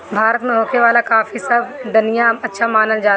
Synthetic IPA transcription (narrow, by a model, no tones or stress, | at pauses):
bʱaːɾət̪mẽɦoːkʰeʋaːlakaːfisɐbʱd̪ɐnijãɐtːʃʰamaːnənd͡ʒaː